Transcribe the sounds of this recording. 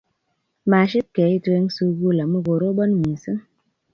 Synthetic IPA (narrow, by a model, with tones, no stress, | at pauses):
maː˨ʃi˦p̚kɛ˨˦i˦twe˧˦ŋ˦su˧ɡu˦la˨mɨ˦ɡo˨ɾo˦bɔ˦nmi˨sɨ˦ŋ